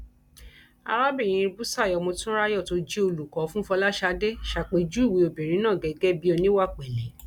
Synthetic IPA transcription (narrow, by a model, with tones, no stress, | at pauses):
a̰˧ɾa˦bi˦˨j̃ĩ˨˧bu˦sa˦˨jɔ˨˧mõ˧tũ˦ɾa˦jɔ˦˨to˧d͡ʒi˦o˧lu˨kɔ˨˦fũ˦fɔ˧la˦ʃa˧de˦ʃa˧˨k͡pe˨˧˦d͡ʒu˦i˦˨wi˧o˨be˨ɾĩ˨˦nãː˦˨ɡɛ˨ɡɛ˦bi˦o˧nĩ˦wa˦˨k͡pɛ˨lɛ˨˦